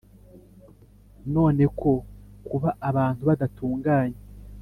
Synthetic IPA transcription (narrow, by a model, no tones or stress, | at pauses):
no̞ːne̞kʰo̞kuβaʔːβaːntuβadatuːŋɡaːɲe